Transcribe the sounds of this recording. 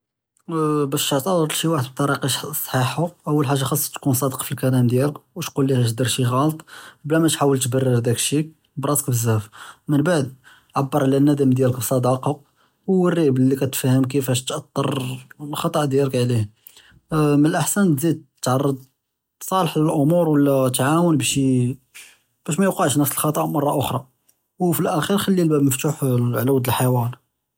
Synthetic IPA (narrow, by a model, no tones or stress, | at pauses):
bæʃʕt̪ˤɑɾˤɾlʃiwaħəd̪b̚t̪ˤːɑɾiqiʃsˤħiħuʔəwːəlħaʒːaxɑsˤːt̪kunsˤɑd̪əqfilkælæmd̪jæləkwt̪qulːihæʃd̪əɾˤʃiɣɑlt̪ˤblæmæt̪ħawəlt̪bərːəɾd̪ækʃi | bɾˤɑt̪ə̥kbəzːæfmənbaʕd̪̚ | ʕabːəɾˤʕlænːæd̪əmd̪jæləkbsˤɑd̪ɑqɑ | wərːiblːikæt̪fæhəmk̬əfæʃt̪ʔɑt̪ˤːɑ̰ɾˤlxɑt̪ˤɑʔd̪jæləkʕlih | mənəlʔəħsænt̪zid̪̚t̪ːʕɑrˤːɑd̪ | sˤɑləħləlʔʊmuɾwəlːæt̪ʕawənbæʃi | b̥æʃ̬mæjuqɑʕʃnəfsəlxɑt̪ˤɑʔmɑrˤːɑʔʊxɾˤɑ | wfilʔæxiɾxælːilbæbməft̪uħʕlæwd̪əlħawæn